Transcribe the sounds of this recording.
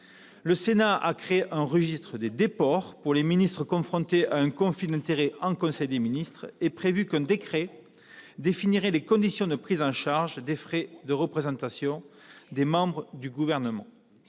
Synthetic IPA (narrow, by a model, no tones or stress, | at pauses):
ləsenaa̰kχeeʔɛ̃ʁəʒist̪χəd̪ed̪epɔʁpuʁleminist̪χəkɔ̃fχɔ̃t̪eʔaɛ̃kɔ̃fid̪ɛ̃nt̪eʁeɑ̃kɔ̃sɛjd̪eminist̪χepχevykɛ̃d̪ekχe | d̪efiniʁelekɔ̃d̪isjɔ̃d̪əpχizɑ̃ʃaʁʒd̪efχed̪əʁəpχezɑ̃t̪asjɔ̃d̪emɑ̃bʁəd̪yɡuvɛʁnəmɑ̃